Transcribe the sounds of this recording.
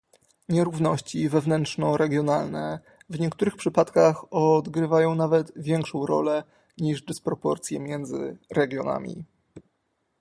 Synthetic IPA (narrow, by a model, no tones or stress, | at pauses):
ɲɛɾuvnɔɕt͡ɕivɛvnɛntʂnɔɾɛɡʲjɔnalnɛ | vɲɛkt̪uɾɘxpʂɘpat̪kaxɔd̪ɡɾɘvajɔ̃w̃navɛd̪vʲjɛŋkʂɔ̃w̃ɾɔ̰lɛ | ɲiʐd̪ɘspɾɔpɔɾt̪sʲjɛmʲjɛnd̪zɘ̰ɾɛɡʲjɔna̰mʲḭ